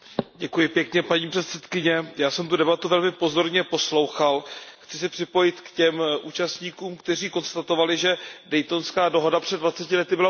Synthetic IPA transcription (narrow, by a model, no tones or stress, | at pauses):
ɟɛkujɪpjɛkɲɛpaɲiːpr̥ɛt̪sɛt̪kɪɲɛjaːsɛmt̪udɛbat̪uvɛlmɪpo̞zo̞ɾɲɛpo̞slo̞wxalxt͡sɪsɪpr̥ɪpo̞jɪt̪kcɛmʔuːt͡ʃast̪ɲiːkuːmkt̪ɛr̝iːko̞nst̪at̪o̞valɪʒɛdɛjt̪o̞nskaːdo̞ɦo̞dapr̝̥ɛd̪vat͡sɛcɪlɛt̪ɪbɪla